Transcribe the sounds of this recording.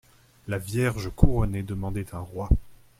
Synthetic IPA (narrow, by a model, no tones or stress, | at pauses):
lavjɛʁʒəkuʁɔned̪əmɑ̃d̪ɛt̪ʰɛ̃ʁwa